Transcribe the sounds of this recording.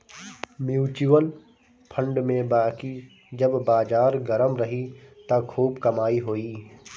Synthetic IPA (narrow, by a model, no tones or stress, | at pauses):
mjuːt͡ʃuʋən | pʰə̃ɳɖmẽbaːki | d͡ʒɐbːaːd͡ʒaːɾɡəɾəmɾɐɦit̪ɐkʰuːbkɐmaːiɦoːiː